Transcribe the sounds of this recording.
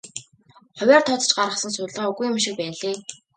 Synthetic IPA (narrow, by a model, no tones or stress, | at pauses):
χʊwʲæːrt̪ʰɔt͡s̪̆t͡ɕɢaɾʁə̆sə̆nsʊtɮʁaːuɣujʊmʃik̚pæːnɮeː